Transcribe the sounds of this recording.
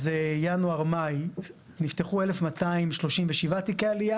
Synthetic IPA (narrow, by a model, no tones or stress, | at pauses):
zejanuaʁmaj | nift̪eχue̞le̞fmat̪aimʃlo̞ʃimveʃivat̪ikealija